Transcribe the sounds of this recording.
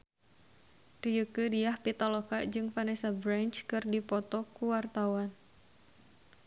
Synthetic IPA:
riəkədiahpit̪ɔlɔkad͡ʒɨŋfanɛsabɾant͡ʃkɨrdipɔt̪ɔkuwart̪awan

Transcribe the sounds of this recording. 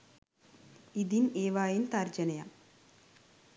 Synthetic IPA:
id̪ineːʋaːjint̪aːɾd͡ʒɐnɐjɐ

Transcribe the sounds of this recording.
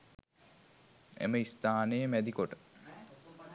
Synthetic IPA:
ḛməist̪aːnəjəmæd̪ikoʈə̥

